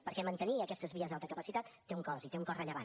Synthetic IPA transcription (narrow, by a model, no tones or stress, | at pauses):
pəɾkɛmənt̪əniəkɛst̪əzβiəzalˠt̪əkəpəsit̪at̪ːeuŋkɔzit̪euŋkɔrəʎəβa̰n